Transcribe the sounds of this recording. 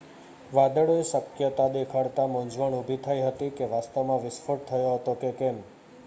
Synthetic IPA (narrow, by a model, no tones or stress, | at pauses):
ʋad̪əɭoesəkjət̪ad̪ekʰaɽt̪amõɲd͡ʒʋəɳubʱit̪ʰajɦət̪ikeʋast̪əʋmãʋɪsfʰoʈ̚t̪ʰəjoɦət̪okekɛm